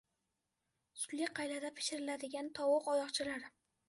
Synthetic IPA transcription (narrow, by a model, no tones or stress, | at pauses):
sʊlːiqʰɑjlad̪apʰɪ̥ʃɪɾɪlad̪ɪɡʲant̪ʰɒwʊqɒjɒqt͡ʃʰɪlaɾɪ